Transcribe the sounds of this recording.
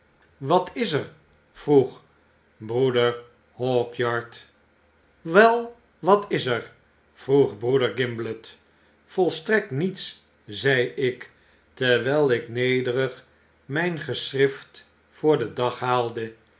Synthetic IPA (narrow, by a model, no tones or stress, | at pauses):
ʋɑtʰɪsəɹ | v̥ruχ | brudəɹ | hɔːkjɑɹt | ʋɛlˠ | ʋɑtɪzəɹ | v̥ruχbrudəɹɡɪmblət | fɔlˠstrɛk̚tnits | zɛjɪk | təɹʋɛlˠɪknejdərəχ | mɛjnχəsrɪft | fʊːɹdədɑχɦaːlˠdə